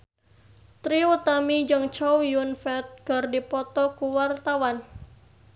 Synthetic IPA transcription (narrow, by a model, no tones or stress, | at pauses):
t̪ɾiwut̪amid͡ʒɨŋt͡ʃɔwjunfɛt̪̚ɡ̥ə̤rdipɔt̪ɔkuwart̪awan